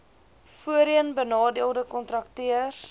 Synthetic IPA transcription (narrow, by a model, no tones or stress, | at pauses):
fuəɾiənbənɑːdiəlˠdəkɔntrɐktiərs